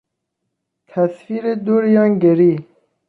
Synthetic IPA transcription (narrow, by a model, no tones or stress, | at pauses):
t̪ʰæsfiɾed̪uɾjɑŋɡeɾi